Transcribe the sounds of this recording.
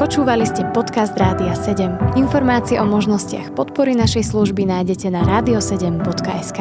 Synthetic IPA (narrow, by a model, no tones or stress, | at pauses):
pɔt͡ʃuːʋaliscɛpɔt̪kazd̪ɾaːd̪iasɛɟɛminfɔɾmaːt͡siɛʔɔmɔʒnɔscɪa̰xpɔt̪pɔɾinaʃɛjsluʒbinajɟɛcɛnaɾaːd̪iɔsɛɟɛmbɔt̪kaʔɛskaː